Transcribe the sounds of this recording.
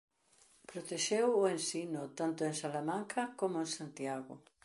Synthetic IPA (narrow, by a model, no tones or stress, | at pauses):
pɾot̪eʃewʊẽnsinʊt̪ant̪ʊeŋsalamãŋkʰɐkomʊensant̪jaɣʊ̰